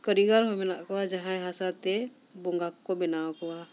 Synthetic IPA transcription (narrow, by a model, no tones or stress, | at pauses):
kəɾiɡaɾɦɔmɛnaʔkɔwad͡ʒaɦãjɦasat̪ɛ | bɔŋɡakkɔbɛnawkɔwa